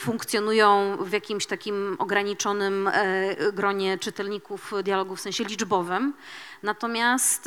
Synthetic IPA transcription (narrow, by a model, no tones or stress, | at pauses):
fuŋkt̪sʲjɔnujɔ̃w̃vjakʲimɕt̪akʲimɔɡɾaɲit͡ʂɔnɘm | ɡɾɔɲɛt͡ʂɘt̪ɛlɲikufd̪jalɔɡufsɛ̃ɕɛlʲid͡ʐbɔvɘmnat̪ɔmʲjast̪